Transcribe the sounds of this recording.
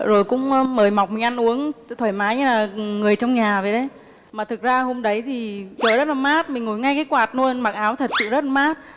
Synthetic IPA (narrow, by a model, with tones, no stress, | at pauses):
zo˨˩jkʊ̰˧˥ŋ͡mməː˧˩jma˨˩wk͡p̚mï˨˩ŋ̟ʔa˧nʔu˨˦əŋ˧˨t̪ʰwəː˧˩jmaː˨˦jɲɨ˧laː˨˩˨ŋɨ˨˩əjt͡ɕɔ˧wŋ͡mɲaː˨˩və˨jɗə˨˦j | maː˨˩t̪ʰɨ˨˩k̚zaː˧ho˧mɗə˨˦jt̪ʰi˨˩t͡ɕəː˨˩zə˦˥t̚laː˨˩maː˦˥t̚mï˨˩ŋ̟ŋo˧˩jŋa˧jkaː˨˦jkwaː˨˩t̚nu˧ənɓaː˨˩ŋʔaː˨˦wt̪ʰə˨˩t̚sɨ̰˧˨zə˦˥t̚la˨˩maː˦˥t̚